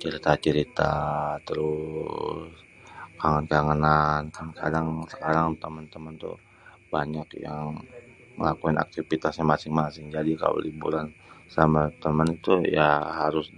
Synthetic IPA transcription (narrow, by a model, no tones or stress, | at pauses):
t͡ʃəɾit̪at͡ʃəɾit̪a̰t̪əɾʊ | s | kaŋənkaŋənankankʰa̰daŋsə̥kaɾaŋt̪əmənt̪əmənt̪ṵ | baɲakja̰ŋ | mə̰lakuɪna̰k̚t̪ifit̪asamasɪŋmasɪŋd͡ʒadika̰lo̰libṵɾan | samat̪əmənit̪ujaɦaɾʊs